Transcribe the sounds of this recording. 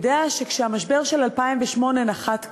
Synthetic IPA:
deaʃe̞kʃehamaʃbe̞ʁʃelalpaimveʃmo̞nenaχat̪

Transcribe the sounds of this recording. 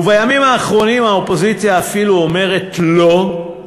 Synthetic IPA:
ubajamimaːχʁo̞nimaopo̞zit͡sjaːfiluome̞ʁe̞tlo̞

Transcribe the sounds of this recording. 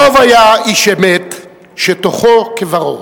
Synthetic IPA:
ovajaiʃemet̪ | ʃet̪oχokevaʁo̰

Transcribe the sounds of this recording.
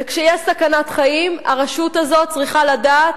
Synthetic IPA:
kʃejɛsakanat̪χaima̰ʁaʃut̪azo̞t̚t͡sʁiχaladaːt

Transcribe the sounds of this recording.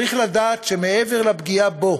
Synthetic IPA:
iχladaːtʃemeʔeve̞ʁlabɡiabo̞

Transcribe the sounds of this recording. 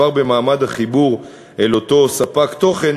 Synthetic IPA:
aʁbe̞maːmad̪haχibuʁ | elo̞t̪o̞sapakt̪o̞χe̞n

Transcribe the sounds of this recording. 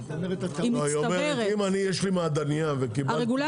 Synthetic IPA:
t̪imiaomeʁimanijeʃlimaːd̪anijavekibaaʁeɡula

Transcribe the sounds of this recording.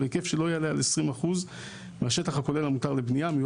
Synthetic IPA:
bekefʃelo̞jealealesʁimaχuz | meaʃe̞taχako̞le̞lamutaʁlebnijamij

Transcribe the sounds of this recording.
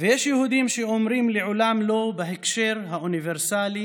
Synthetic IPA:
vejeʃjehud̪imʃeomɾimleʕolamlo̞beɦekʃeɾɦaʔuniveɾsali

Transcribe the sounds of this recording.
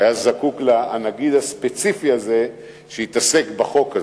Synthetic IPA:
ajazakuklanaɡid̪haspet͡sifiaze̞ | ʃehit̪ase̞kbaχo̞ka

